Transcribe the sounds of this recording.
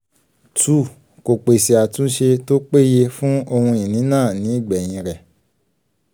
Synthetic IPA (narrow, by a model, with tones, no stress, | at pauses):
tu˨ | ko˨k͡pe˨si˨a˨tũ˨˦ʃe˧to˦k͡pe˦˨je˧fũ˦o˧hũ˧i˨nĩ˨˦nãː˦˨nĩ˨˦i˦˨ɡ͡bɛ˨j̃ĩ˧ɾɛ˨